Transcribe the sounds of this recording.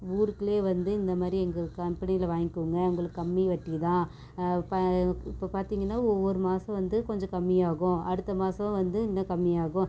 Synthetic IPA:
uːɾɯkːɪɭeːʋɐnd̪ɯɪnd̪ɐmaːd̪ɾiɛŋɡɐkɐmpɐnɪjɪlɐʋaːŋɪkːɯŋɡɐɐŋɡɐɭɯkːɯkɐmːiʋɐʈːit̪ãː | pɪpːopaːɾt̪iːŋɡɐnːaːɔʋːɔɾɯmaːsɐ̃ʋɐnd̪ɯkɔɲd͡ʒɐ̃kɐmːijaːɣʊ̃ɐɽɯt̪ːɐmaːsɐ̃ʋɐnd̪ɯɪnːɐkɐmːɪjaːɣʊ̃

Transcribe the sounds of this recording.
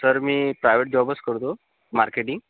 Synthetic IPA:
səɾmiːpɾajʋeʈ̚d͡ʑɔbəskəɾt̪o | maɾkeʈiŋɡ

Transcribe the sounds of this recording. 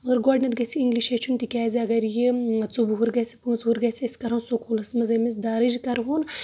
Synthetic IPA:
ɐɣɨɾɡoːɖnʲɐt̪ɡɐsʰiiŋɡliʃet͡ʃʰunt̪ikʲaːzʲiɐɡɐɾjit͡subuɦuɾɡɐsʲi̥puŋt͡suɾɡɐsʰʲiɐsʲi̥kɐɾɐnsokolɐsmɐzɐmis̬d̪aːɾɨd͡ʒkɐɾɦun

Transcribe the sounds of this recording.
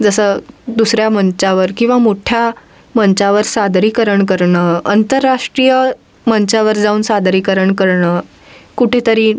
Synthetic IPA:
d͡zəsəːd̪usɾjamənt͡ɕaʋəɾkĩw̃ʋamoʈʰja | məɲt͡ɕaʋəɾsad̪ʱɾiːkəɾəɳkəɾɳəənt̪əɾːaʂʈɾijə | mənt͡ɕaʋəɾd͡zauːnsad̪ɾiːkəɾəɳkəɾɳə | kuʈʰet̪əɾiː

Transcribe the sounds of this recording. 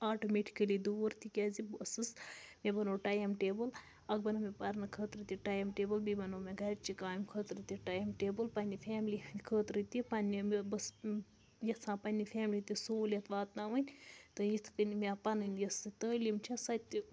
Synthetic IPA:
aːʈomeʈʰi̥kəlid̪uːɾt̪ikʲazibəsɨsmebɐnoːʈajɐmʈeːbɨl | ɐɡ̚bɐnɨmepɐɾnɨkʰəːt̪ɾɨt̪iʈajɐmʈeːbɨlbibɐnoːmʲeɡɐɾt͡ʃikaːmkʰəːt̪ɾɨt̪iʈajɐmʈeːbɨlpɐnʲifʰʲɛːmlikʰəːt̪ɾɨt̪ipɐnʲːimebɐs | jɐsʰãːpɐnʲifʰɛːmlit̪isoːlʲet̪ʋaːt̪naʋɐnʲt̪ɨjit̪ʰkənmʲapɐnɨnjɐsit̪əːlimt͡ʃʰisɐt̪ʲːi

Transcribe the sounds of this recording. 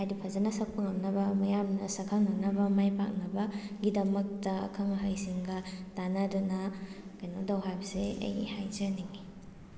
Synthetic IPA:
hajdipʰɐzanɐsɐk̚pɐŋɐmnɐbɐmɐjamnɐsɐkʰaŋnɐmnɐbɐmajpa̰k̚nɐbɐɡidɐmɐk̚tɐ̰ːkʰaŋɐɦajsiŋɡɐtanɐdunɐkajnodawɦajbɐseɐ̰jhajzɐniŋi

